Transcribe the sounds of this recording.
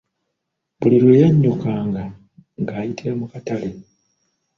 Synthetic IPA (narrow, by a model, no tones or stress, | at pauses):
βuliɾwe̞ːjaɲːukaːŋɡa | ŋɡaːjitʰiɾamukatale